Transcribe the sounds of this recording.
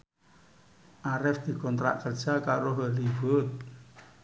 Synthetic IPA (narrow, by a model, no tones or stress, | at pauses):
ʔaɾɛfd̪̥i̤kɔnt̪ɾa̰ʔkər̥ʒ̥akaɾoɦəliwət̪̚